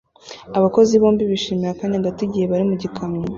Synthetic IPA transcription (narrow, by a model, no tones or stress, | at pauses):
aβako̞ziβoːmbiβiʃiːmiɾakaːnaɡatiɟihe̞βaɾimuɟikʰamino